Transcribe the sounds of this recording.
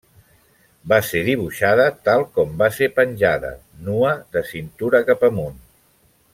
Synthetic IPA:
baseðiβ̞uʃaðət̪alˠkɔmbasepənʲʒaðə̰ | nuəðəsint̪uɾəkapəmun

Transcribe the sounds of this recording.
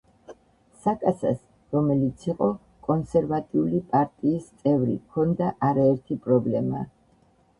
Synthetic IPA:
sakʼasa̰s | ɾɔmɛlit̪sʰiqʼɔ | kʼɔnsɛɾvat̪ʼiulipʼaɾt̪ʼiːst̪sʼɛvɾḭkʰɔnd̪aʔaɾaɛɾt̪ʰipʼɾɔblɛma

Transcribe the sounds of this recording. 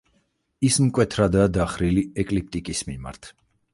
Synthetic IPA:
ismkʼwɛt̪ʰɾad̪aːd̪aχɾiliɛkʼlip̚t̪ʼikʼismima̰ɾt̪ʰ

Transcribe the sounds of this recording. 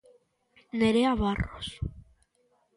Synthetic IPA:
neɾeaβaros

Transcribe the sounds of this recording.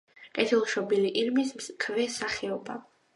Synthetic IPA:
kʼɛt̪ʰilˠʃɔbiliʔiɾmiskʰvɛsaχɛɔba

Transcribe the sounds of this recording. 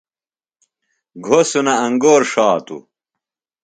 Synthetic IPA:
ɡʱosunɐɐŋɡoːɾʂaːt̪ṵ

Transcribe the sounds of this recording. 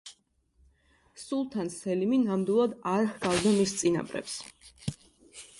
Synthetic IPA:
sulˠt̪ʰansɛliminamd̪ilˠad̪aɾχɡ̥avd̪amist̪sʼina̰bɾɛ̰ps

